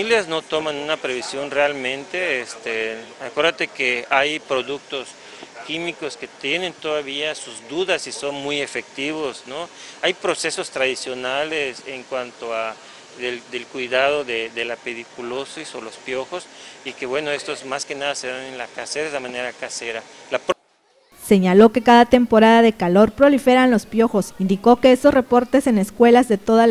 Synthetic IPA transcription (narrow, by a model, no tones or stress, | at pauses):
iljazno̞t̪o̞mãnũnapɾe̞βisjo̞nrealmẽnt̪e̞est̪eakwe̞ɾðat̪e̞keajpɾo̞ðuk̚t̪o̞s | kimiko̞ske̞t̪je̞nẽ̞nt̪oðaβiasuzd̪uðasiso̞nmuje̞fe̞k̚t̪iβo̞snoajpɾo̞se̞so̞st̪ɾaðisjo̞nale̞seŋkwant̪oa | ðeðelkwiðaðoðeðelapeɾikulosisolo̞spjo̞xo̞sike̞βweno̞e̞st̪o̞zmaske̞naðase̞ðanenlakaseɾaeðamãne̞ɾakaseɾa | lap | se̞ɲalo̞ke̞kaðat̪e̞mpo̞ɾaðaðe̞kalo̞ɾpɾo̞life̞ɾanlo̞spjo̞xo̞sind̪iko̞ke̞est̪osre̞po̞ɾt̪e̞se̞ne̞skwe̞lazðe̞t̪o̞ða